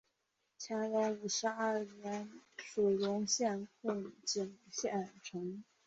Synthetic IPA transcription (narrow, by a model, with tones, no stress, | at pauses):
t͡ɕʰɛ˧˥ŋɻa˧˥u˨˩ʂɻ̩˧˥ɐ˥˩ɥɛ˧˥nʂu˨˩lʊ˧˥ŋɕjɛ˥˧nkʰʊ˥˩ŋt͡ɕi˨˩ŋɕjɛ˥˩ʈ͡ʂʰɤ˧˥ŋ